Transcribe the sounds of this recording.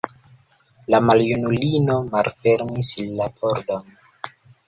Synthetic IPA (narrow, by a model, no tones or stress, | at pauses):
lamaljunulino̞malfe̞ɾmislːapʰoɾdo̞n